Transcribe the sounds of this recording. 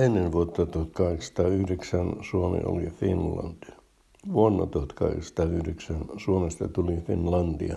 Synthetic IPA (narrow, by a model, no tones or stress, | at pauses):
enːeʋʋuot̪ːɑt̪uhɑt̪kɑheksɑ̥t̪ɑːyhreksænsuomḛo̰lifḭnlɑ̰nt̪i | ʋuonːɑ̰t̪uhɑt̪kɑhḛksɑ̥t̪ɑːyhreksænsuomest̪ɑ̰t̪ulifinlɑnt̪ḭɑ